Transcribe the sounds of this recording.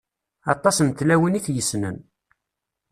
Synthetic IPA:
ɑt̪ˤːɑsnt̪læwəniθjəsːnə̰n

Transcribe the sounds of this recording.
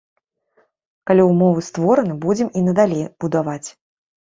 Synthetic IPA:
kalʲiwmɔvɨst̪vɔɾɐnɨbud͡zʲɛminɐd̪alʲejb̥ud̪avat͡sʲ

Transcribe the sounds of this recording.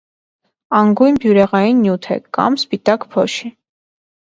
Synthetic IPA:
ɑŋɡujnbjuɾɛʁɑjinːjut̪ʰɛ̰kɑ̰mspit̪ɑkpʰɔʃi

